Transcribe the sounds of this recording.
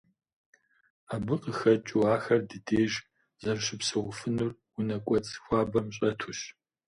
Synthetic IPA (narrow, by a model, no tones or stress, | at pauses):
aːbɨqəxɐt͡ʃʼuaːxɐrdɨdeːʒ | zɐrɕɪpsɨʁʷʊfɨnurwʊnɐkʷʼɔt͡sʼxʷɑːbɐmɕʼɐtʰuɕ